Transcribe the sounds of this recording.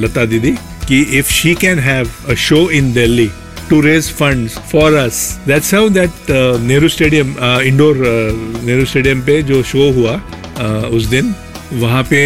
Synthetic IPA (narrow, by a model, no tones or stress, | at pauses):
lɐt̪ad̪id̪i | kiʔɪfʃiːkɛ̃nɦɛʋəʃoːɪ̃nd̪elːi | ʈuɾeːzfɐ̃ɳɖzfɔːɾɐsd̪æʈsãʊ̃nd̪ɛʈneːɾusʈeːɖijə̃mɪ̃ɳɖoːɾneːɾusʈeːɖijə̃mped͡ʒoːʃoːɦua | ʊs̬d̪ɪn | ʋɐɦãpe